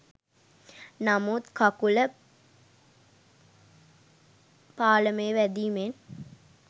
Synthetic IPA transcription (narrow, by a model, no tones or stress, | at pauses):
namut̪kakulə | paːləməjəʋæd̪iːmen